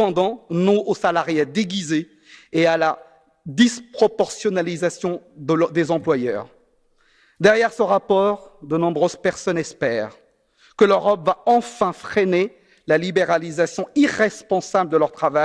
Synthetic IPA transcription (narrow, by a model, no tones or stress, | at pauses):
ɑ̃d̪ɑ̃nɔ̃ʔosalaʁjad̪eɡʲize | eala | d̪ispχɔpɔʁsjɔnalizasjɔ̃d̪əd̪ezɑ̃plwajœːʁ | d̪ɛʁjɛʁsəʁapɔʁd̪ənɔ̃bʁøz̥pɛʁsɔnɛspɛːʁ | kəløʁɔpvaɑ̃fɛ̃fχɛne | lalibeʁalizasjɔ̃iʁɛspɑ̃sabləd̪əlœʁt̪χavaj